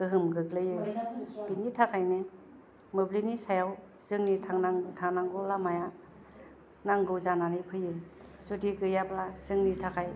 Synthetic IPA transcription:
ɡɯɦɯmɡɯklɯjɯbinitʰakʰajne | mɯblinisajaw | sɯŋnitʰaŋnaŋtʰaŋnaŋɡɯlamaja | naŋɡɯwzananipʰɯjɯsudiɡɯjaplazɯŋnitʰakʰaj

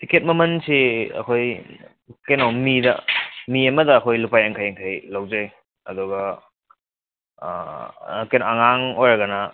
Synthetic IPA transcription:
tiket̚mɐmɐnsiɐ̰kʰoj | kajnawmidɐ̰miɐmɐdɐːkʰojlupajaŋkʰajaŋkʰajlawd͡ʒaj | ɐ̰duɡɐ | kajnaɐŋaŋojɾɐɡɐnɐ

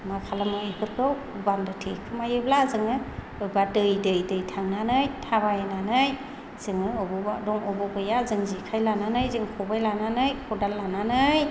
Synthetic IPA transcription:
makʰalamɯekʰɯɾkʰɯw | bandɯtʰekʰɯmajɯblazɯŋɯ | ɯjbadɯjdɯjdɯjtʰaŋnanɯjtʰabajananɯj | z̥ɯŋɯɔbɔadɔŋɔbɔbɯjazɯŋzikʰajlananɯjzɯŋkʰɔbajlananɯjkʰɔdalːananɯj

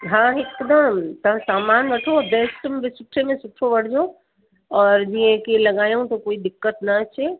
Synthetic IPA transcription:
ɦãekd̪əmt̪ɐɦãsaːmaːnʋəʈʰobesʈʋɪsʊʈʰemẽsʊʈʰoʋɐɽ̤d͡ʒo | ɔːɾd͡ʒiẽkelɐɡaːjũt̪okoːid̪ɪkːət̪nɐt͡ʃʰe

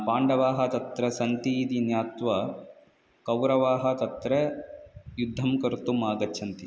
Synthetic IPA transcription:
paːɳɖɐʋaːɦɐt̪ɐt̪ɾɐsɐnt̪iːd̪injaːt̪ʋɐ | kɐwɾɐʋaːɦɐt̪ɐt̪ɾɐ | jud̪ʱːɐmkɐɾut̪umaːɡɐtːʃʰɐnt̪i

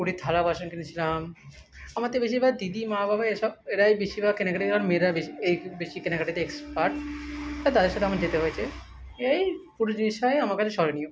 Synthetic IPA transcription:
kuɽit̪ʰalabaʃonkenit͡ɕʰilamamat̪ebeʃibad̪id̪imababaeʃɔb̚eɾaejbeʃibakenakaʈitelaɾmeɾabeiejbeʃikenakaʈit̪eekspaɾʈt̪at̪ad̪eɾʃat̪eɛamaɾd͡ʑet̪eɦojet͡ɕʰe | eɾajpuɾod͡ʑiniʃɔeamaɾkat͡ɕʰeʃɔɾenio

